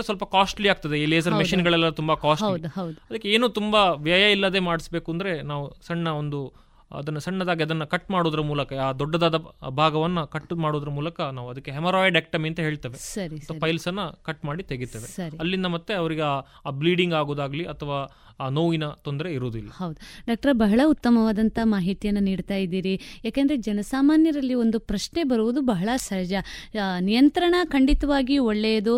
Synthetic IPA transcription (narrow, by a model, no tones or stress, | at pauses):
sʋɐlpɐkaːsʈliaːɡ̚t̪ɐd̪eiːleːsɐɾmeʃinɡɐɭɐlːɐt̪umbɐkaːsʈɐld̪ɐd̪ɐd̪ɐkːeeːnuːt̪umbɐʋjajɐilːɐd̪e̞ːmaːɽisbe̞ːkuɐnd̪ɐɾe̞naːʋusɐɳːɐond̪u | ɐ̰d̪ɐnːɐsɐɳːɐd̪aːɡiɐd̪ɐnːɐkɐʈːmaːɽod̪ɐɾɐmuːlɐkɐaːd̪ɔɖːɐd̪aːd̪ɐbʱaːɡɐʋɐnːɐkɐʈːmaːɽoːd̪ɐɾɐmuːlɐkɐnaːʋuɐd̪ɐkːeɦemɐɾɔːjiɖek̚ʈɐmiɐnt̪ɐɦe̞ːɭt̪eːʋe̞ɐiɐt̪ɐʋɐpɐjlsɐnːɐkɐʈmaːɽit̪eɡit̪ːeːʋesɐɾiɐlːind̪ɐmɐt̪ːeɐʋɐɾiɡe | ɐbliːɖiŋɡaːɡoːd̪aːɡɐliʔɐt̪ʰɐʋaː | noːinɐt̪ond̪ɾeiɾoːd̪uilːahɐwd̪uɖaːk̚ʈɐɾɐbɐɦɐɭɐut̪ːɐmɐʋaːd̪ɐnt̪ɐmaːɦit̪ijɐnːɐniːɖt̪aːjid̪iːɾijaːkend̪ɐɾed͡ʒɛnɐsaːmaːnjɐɾɐlːio̞nd̪upɾɐʃne̞bɐɾuʋud̪ubɐɦɐɭɐsɐd͡ʒɐnijɐnt̪ɾɐɳɐkɐɳɖit̪ɐʋaːɡioɭːejɐd̪u